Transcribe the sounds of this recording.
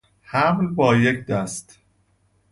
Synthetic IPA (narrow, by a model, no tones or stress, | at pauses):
hæmlbɒːjecʰd̪æst̪